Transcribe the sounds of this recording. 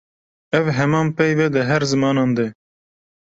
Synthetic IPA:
ɛvɦɛmɑːmpɛjvɛd̪ɨɦɛɾzɨmɑːnɑːnd̪ɛ

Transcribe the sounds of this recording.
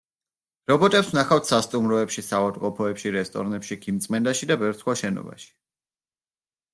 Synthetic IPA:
ɾɔbɔt̪ʼɛpsnaχaft̪ʰsast̪ʼumɾɔɛpʃisavad̪qʼɔpʰɔɛpʃiɾɛst̪ʼɔ̰ɾnɛpʃikʰimt̪sʼmɛnd̪aʃid̪abɛvɾsχwaʃɛnɔ̰ba̰ʃi̥

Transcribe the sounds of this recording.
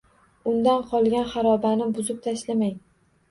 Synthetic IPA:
ʊnd̪anqʰɒlˠɡʲanχaɾɒbanɪbʊzɪp̚t̪ʰaʃlamaj

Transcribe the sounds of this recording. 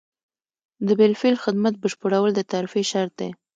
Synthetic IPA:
d̪əbɪlfelxɪd̪mat̪̚bəʃpəɽawəld̪ət̪aɾfeʃaɾt̪̚d̪e

